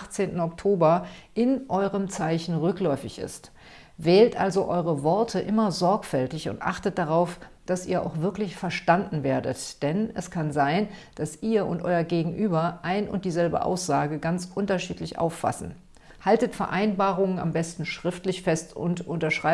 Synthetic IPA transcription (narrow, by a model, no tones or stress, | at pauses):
aχt͡seːntn̩ɔktʰoːbɐʔɪnʔɔʏʁəmt͡saɪçn̩ʁʏklɔʏfɪçɪ̰st | vɛːltʔalzoʔɔʏʁəvɔɐtʰəʔɪmɐzɔɐkfɛltɪçʊ̰ntʔa̰χtət̚d̥aʁ̞aʊfd̥asʔḭːɐʔa̰ʊxv̥ɪɐklɪçfɛɐʃtandn̩veːɐdə̰td̥ɛnɛskʰanzaɪnd̥asʔiːɐʔʊntʔɔʏɐɡeːɡŋ̩ʔyːbɐʔaɪnʊ̰nt̚d̥iːzɛlbə̰ʔa̰ʊsz̥aːɡəɡant͡sʔʊntɐʃiːtlɪçʔa̰ʊfːa̰sn̩ | haltətfɛɐʔaɪnbaːʁʊŋəna̰mbɛstn̩ʃʁ̥ɪftlɪçfɛstʊ̰ntʔʊntɐʃʁ̥aɪ